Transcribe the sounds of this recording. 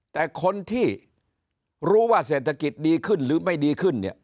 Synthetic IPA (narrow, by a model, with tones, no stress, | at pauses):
t̪ɛː˨˩kʰo˧nt̪ʰiː˥˩ | ɾuː˦˥waː˥˩seː˨˩t̪ʰːa˧ki˨˩t̪̚diː˧kʰɯ˥˩nɾɯː˩˦ma˥˩jdiː˧kʰɯ˥˩nni˥˩